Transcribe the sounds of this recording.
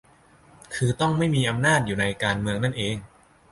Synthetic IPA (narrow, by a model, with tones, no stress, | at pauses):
kʰɯː˧t̪ɔ˥˩ŋma˥˩jmiː˧ʔa˧mnaː˥˩t̪̚juː˨˩na˧jkaː˧nmɯ˧əŋna˥˩nʔeː˧ŋ